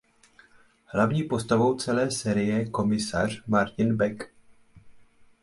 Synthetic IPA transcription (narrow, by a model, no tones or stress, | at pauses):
hlavɲiːpo̞st̪avo̞wt͡sɛlɛːsɛːɾɪjɛko̞mɪsa̰r̝̥maɾcɪnbɛk